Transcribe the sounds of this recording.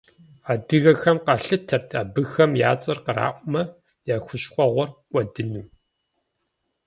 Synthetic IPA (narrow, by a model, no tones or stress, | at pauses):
aːdɨɣɐxɐmqaɬɨtʰɐrtʰaːbɨxɐmja̰ːt͡sʼɨrqəra̰ːʔʷʼʊmɐ | jaːxʷʊʃχʷʼɔʁʷɔrkʷʼɔdɨnuː